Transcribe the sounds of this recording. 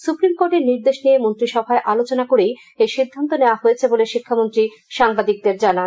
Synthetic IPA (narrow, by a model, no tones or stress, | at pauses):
supɾimkoɾʈeɾniɾd̪eʃnijemont̪ɾiʃɔbʱaeʔalot͡ɕonakoɾej | eʃid̪ʱːant̪oneoaɦojet͡ɕʰeboleʃikʰːamont̪ɾi | ʃaŋbad̪ik̚d̪eɾd͡ʑanan